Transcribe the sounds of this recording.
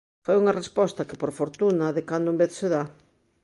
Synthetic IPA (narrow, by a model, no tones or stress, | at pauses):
fojuŋɐrespɔst̪ɐkɪpoɾfoɾt̪unɐðekand̪ʊembeθseða